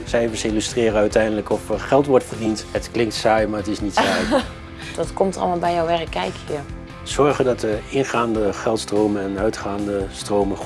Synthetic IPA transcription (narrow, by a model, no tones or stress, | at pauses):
sɛjvəsɪlystrɪːrəœɥtɛjndələkɔfəɹχɛlˠtʋɔɹtfərdintɦətklɪŋktsaːjmaːɹətɪsnitsaːj | d̥ɔtkɔmtɑ̰lˠmaːlˠbɛjowʋɛrəkːɛjkji | z̥ɔɹχəndɑtəɪnχaːndəχɛlˠtstrowmənɛnœɥtχaːndəstrowmən